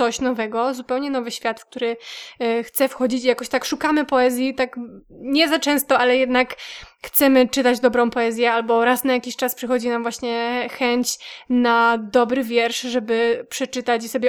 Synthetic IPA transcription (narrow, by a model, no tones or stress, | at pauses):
ɔɕnɔvɛɡɔzupɛwɲɛn̪ɔvɘɕfʲjat̪fk̚t̪uɾɘ | xt̪sɛfxɔd͡ʑit͡ɕijakɔɕt̪akʂukamɘpɔɛzʲjit̪akɲɛzat͡ʂɛ̃w̃st̪ɔalɛjɛd̪nakxt̪sɛmɘt͡ʂɘt̪ad͡ʑd̪ɔbɾɔ̃w̃pɔɛzʲjɛalbɔɾasnajakʲiɕt͡ʂaspʂɛxɔd͡ʑinamvwaɕɲɛxɛɲt͡ɕnad̪ɔbɾɘvʲjɛɾʂʐɛbɘpʂɛt͡ʂɘt̪at͡ɕisɔbʲjɛ